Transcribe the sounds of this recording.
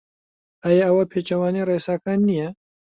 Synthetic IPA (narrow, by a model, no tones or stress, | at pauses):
ʔaːjɛɐwɐpʰeːt͡ʃɐwaːnereːsaːkaːnːijɛ